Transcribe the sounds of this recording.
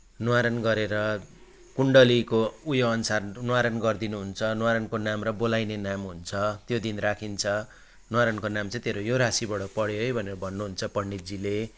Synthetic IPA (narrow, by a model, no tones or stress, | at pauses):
nwaɾʌnɡʌɾeɾʌ | kuɳɖʌlikoujoʌnsarnwaɾʌnɡʌrd̪inuɦunt͡sʰʌnwaɾʌnkonamrʌbolajnenamɦunt͡sʰʌt̪jod̪inrakʰint͡sʰʌ | nwaɾʌnkonamt͡sʌ̃t̪eɾojoɾasibʌɽʌpʌɽjoɦʌjbʱʌneɾʌbʱʌnːuɦunt͡sʰʌpʌɳɖit̚d͡zile